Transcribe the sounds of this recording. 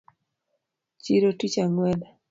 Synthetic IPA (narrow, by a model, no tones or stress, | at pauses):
t͡ʃiɾotit͡ʃaŋwɛla